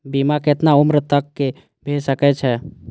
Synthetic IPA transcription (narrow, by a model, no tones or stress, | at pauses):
bimaket̪naumɾət̪əkːe | bʱesəkɛt͡ʃʰɛ